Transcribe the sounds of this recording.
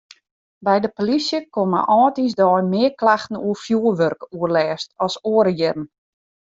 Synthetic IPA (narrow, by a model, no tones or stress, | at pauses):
bɛjdəpolisjəkomə̰ʔɔːtisdɔːjmɪəklaxtn̩uəfjuəʋørkuərlɛːstɔsoːəɾəjɪrən̩